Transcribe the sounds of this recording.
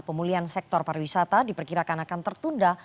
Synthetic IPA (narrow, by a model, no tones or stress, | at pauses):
pəmuliansɛk̚t̪ɔrpaɾwisat̪adipərkiɾakanakant̪ərt̪unda